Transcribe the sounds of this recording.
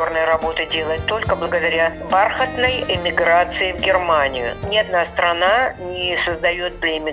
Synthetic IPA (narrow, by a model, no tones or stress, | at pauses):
ornəjɾɐbo̞t̪ɨdʲe̞lˠəjɪt̪ːo̞lʲkəblˠəɡəd̪ɐɾʲabarxət̪nəjɪmʲɪɡɾat̪sɨɪvɡʲɪrmanʲɪjʊ̰nʲɪɐd̪nast̪ɾɐnanʲɪsəzd̪ɐjo̞t̪̚plʲɪɪmʲɪ